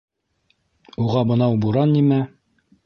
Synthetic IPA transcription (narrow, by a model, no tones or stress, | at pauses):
uʁɑbɤ̆nɑwbuɾɑnːimæ